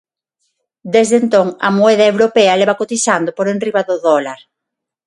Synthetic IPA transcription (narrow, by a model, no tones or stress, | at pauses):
d̪ezðent̪oŋɐ̰moɛðɐewɾopeɐleβakot̪isand̪ʊpoɾenriβaðʊðɔlaɾ